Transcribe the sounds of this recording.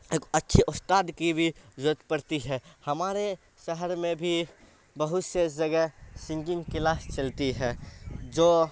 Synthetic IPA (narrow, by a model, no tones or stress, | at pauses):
eːkətːʃʰiʔʊst̪aːd̪kibʱizot̪pəɾt̪iɦɛhɐmaːɾe | ʃəɦəɾmẽbʱi | bəɦʊt̪sed͡ʒəɡɛsɪ̃ŋd͡ʒɪ̃ŋɡkɪlaːst͡ʃɐlt̪iɦɛ̃ːd͡ʒoː